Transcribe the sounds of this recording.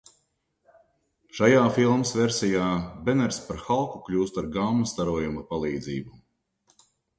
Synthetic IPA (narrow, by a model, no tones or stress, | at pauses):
ʃajaːfilˠmsveɾsʲijaːbɛnɛɾspaɾxalˠkuklʲuːst̪aɾɡaːmust̪aɾuɔjumɐpalˠiːd̪ziːbu